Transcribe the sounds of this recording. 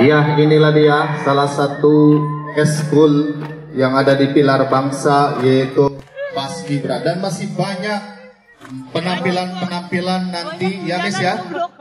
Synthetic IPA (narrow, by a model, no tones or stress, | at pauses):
jaɦiniladijahsalahsat̪uɛskul | jaŋadadipilarbaŋsajait̪upasɡibəɾadanmasɪhbaɲak̚ | pənampilanpənampilanːant̪ijamɪsja